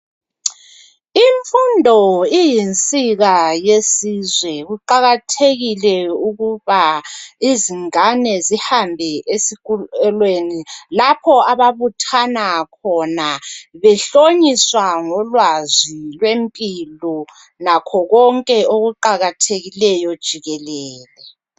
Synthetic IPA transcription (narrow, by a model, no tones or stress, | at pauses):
iɱfundʱɔijint͡sʼiɣajesizwɛɣuǃaɣatʰeɣilɛuɣuβaiziŋanɛzihambʱɛʔesikulwenilapʰɔaβaβutʰanakʰɔnaβɛɬoɲiswaŋɔlwazilwempʼilɔ | nakʰɔɣɔŋkʼɛoɣuǃaɣatʰeɣilɛjɔd̥ʒ̥ʱiɣɛlɛːlɛ